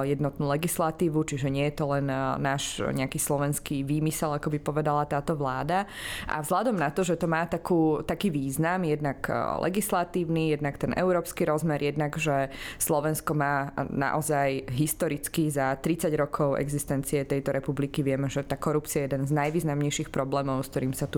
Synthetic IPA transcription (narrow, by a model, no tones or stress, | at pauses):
jɛd̪nɔt̪nuːlɛɡislat̪iːʋut͡ʃiʒɛɲɪɛjɛt̪ɔlɛnːaːʃɲɛakislɔʋɛnskiʋiːmisɛlakɔbipɔʋɛd̪alat̪aːt̪ɔʋlaːd̪a | ʔa̰vzɦlad̪ɔmnat̪ɔʒɛt̪ɔmaːt̪akuːt̪akiːʋiːznamjɛd̪naklʔɛ̰ɡislat̪iːʊnijɛd̪nakt̪ɛnʔɛ̰ʊɾɔːpskiɾɔzmɛɾjɛd̪naɡʒɛslɔʋɛnskɔmaːna̰ʔɔzajɦist̪ɔɾit͡skizat̪ɾit͡saɟɾɔkʰɔʊɛ̰ɡzist̪ɛnt͡siɛt̪ɛjt̪ɔɾɛpublikiʋɪɛmɛʒɛt̪aːkɔɾup̚t͡siajɛd̪ɛnznajʋiːznamɲɛjʃixpɾɔblɛːmɔʊskt̪ɔɾiːmsat̪u